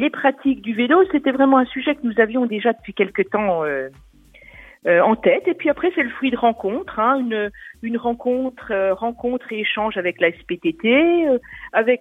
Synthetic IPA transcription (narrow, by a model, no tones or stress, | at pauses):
lepχat̪ʰik̚d̪yvelosɛt̪ɛvʁɛmɑ̃ɛ̃syʒɛkənuzavjɔ̃d̪eʒad̪əpɥikʲɛlkət̪ɑ̃ø | øɑ̃t̪ɛt̪epɥiapχɛsɛləfχɥid̪əʁɑ̃kɔ̃t̪χɛ̃ynøynʁɑ̃kɔ̃t̪χøʁɑ̃kɔ̃t̪χeeʃɑ̃ʒavɛklaɛspet̪et̪eøavɛk